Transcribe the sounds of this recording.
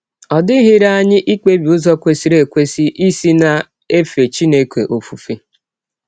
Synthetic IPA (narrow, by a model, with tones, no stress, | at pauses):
ɔ˨dɪ˦ɦɪ˦ɾa˦ɲɪ˦ʔi˦k͡pe˦bi˨ʊ˦zɔ˦kʷe˨si˨˦ɾe˨kʷe˦si˦ʔi˦si˦na˨ | e˦fe˨t͡ʃi˦ne˦kʷḛ˨ʔo˨fu˨fi˦